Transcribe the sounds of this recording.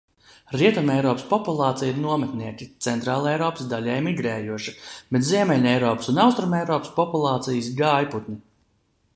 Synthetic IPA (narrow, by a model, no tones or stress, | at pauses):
ɾiɛt̪umɛjɾɔːpspɔpulˠɑːt̪sijiɾnuɔmɛt̪niɛkʲit̪sɛnt̪ɾaːlˠɛjɾɔːpsd̪alʲɛːjmiɡɾɛːjuɔʃi̥b̥et̪ziɛmɛlʲɛjɾɔːpsunawst̪ɾumɛjɾɔːpspɔpulˠɑːt̪sijsɡajput̪nʲi